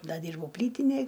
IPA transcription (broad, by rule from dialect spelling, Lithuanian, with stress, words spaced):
ˈdɐ ˈdʲiːrbɐʊ ˈpʲlʲiːtʲɪnʲeːj